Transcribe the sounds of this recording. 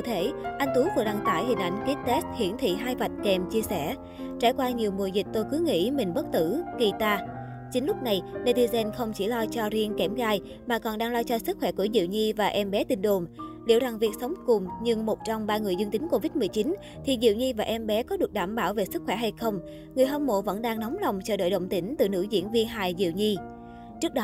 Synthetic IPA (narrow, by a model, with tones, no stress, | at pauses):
ɨ̰˧˨t̪ʰe˧˩ʔa˧jŋ̟t̪u˨˦vɨ˨˩t̚ɗa˨˩ŋt̪a̰ː˧˩jɦï˨˩ŋ̟ʔa̰˧˩jŋ̟ki˦˥t̚t̪ɛ˦˥st̚hḭ˧˩˨ənt̪ʰḭ˧˨ɦaː˧jva˨˩jt̟̚kɛ˨˩mt͡ɕi˧əsɛ˧˩ | t͡ɕaː˧˩jkwaː˧ɲi˨˩əwmṵ˧˨˩jzï˨˩k̚t̪o˧jkɨ˨˦ŋḭ˧˥mï˨˩ŋɓə˦˥t̚t̪ɨ˧˩ki˧˩t̪aː˧ | t͡ɕï˨˦ŋ̟lʊ˦˥k͡p̚na˨˩jɗe˧jt̪i˧zɛ˧nxə˧wŋ͡mt͡ɕi˧˩lɔ˧t͡ɕɔ˧ɾi˧əŋkɛ˧˩mɣaː˧j | maː˨˩kɔ˨˩nɗaː˧ŋlɔ˧t͡ɕɔ˧sɨ˦˥k̚xwɛ˧˩ku˧˩əzḭ˧˨wɲi˧vaː˨˩ʔɛ˧mɓɛ˨˦t̪ï˧ŋɗo˨˩mlḭ˧˩əwza˨˩ŋvi˨˩ək̚sə˨˦wŋ͡mkʊ˨˩ŋ͡mɲɨ˧ŋmo˨˩t̚t͡ɕɔ˧wŋ͡mɓaː˧ŋɨ˨˩əjzɨ˧ŋt̪ï˨˦ŋ̟ko˧vi˦˥t̚mɨ˨˩əjt͡ɕi˨˦n | t̪ʰi˨˩zḭ˧˨əwɲi˧vaː˨˩ʔɛ˧mɓɛ˨˦kɔ˨˦ɗɨ˨˩ək̚ɗaː˧˩mɓaː˧˩wve˨˩sɨ˦˥k̚xwɛ˧˩ɦa˧jxə˧wŋ͡m | ŋɨ˨˩əjɦɔ˧mmo̰˧˨və̰˧˥nɗaː˧ŋnɔ˨˦wŋ͡mla˨˩wŋ͡mt͡ɕəː˧˩ɗə̰ː˧˨jɗə̰˧˨wŋ͡mt̪ï˧˩ŋ̟t̪ɨ̰˧˨˩nɨ̰˧˥zḭ˧˥ənvi˧ənɦaː˧˩jzḭ˧˨wɲi˧ | t͡ɕɨ˦˥ək̚ɗɔ˨˦